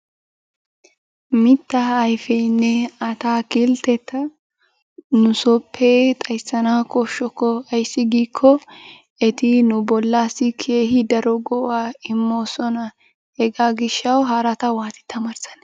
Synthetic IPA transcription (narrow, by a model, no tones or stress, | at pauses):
mɪt̪ːɐɐjfɛnːɛɐt̪aːkɪlt̪ɛt̪ːɐ | nʊsɔpʰːeːt̪ʼɐjsːɐnaːkɔʃːɔkːɔɐjsːɪɡiːkʰːɔ | ɛt̪ɪnʊbɔlːaːsːɪkʰeːɦɪd̪ɐɾɔɡɔʔaːɪmːoːsɔnɐ | hɛɡaːɡɪʃːɐwɦɐɾɐt̪ɐwaːt̪ɪ̥t̪ːɐmɐɾsɐ̥n